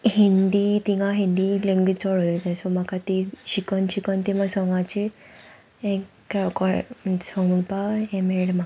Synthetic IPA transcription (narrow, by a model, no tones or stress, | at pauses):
hind̪it̪ĩŋɡaɦĩnd̪ileŋɡit͡sɔɽɔit̪ɛ̃sɔmakat̪iɕikənɕikənt̪imasɔŋɡãt͡ɕi | ẽ | kakɔsɔŋɡunpaẽmeɽma